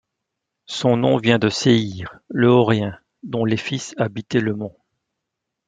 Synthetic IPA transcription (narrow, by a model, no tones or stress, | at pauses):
sɔ̃nɔ̃vjɛ̃d̪əseiʁləɔʁɛ̃ | d̪ɔ̃lefisabit̪ɛləmɔ̃